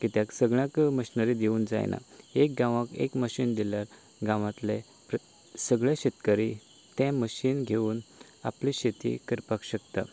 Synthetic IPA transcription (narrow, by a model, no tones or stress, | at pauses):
kit̪jãksəɡɭjãkməɕnəɾid̪euːnd͡za̰j̰nʔa̰ek̚ɡãʋakḛkməɕiːnd̪iljaɾ | ɡãʋãt̪le | pɾə | səɡɭɛɕet̪kəɾi | t̪ɛ̃məɕiːnɡʱeuːn | a̰pliɕet̪ḭkəɾpakɕəkt̪a̰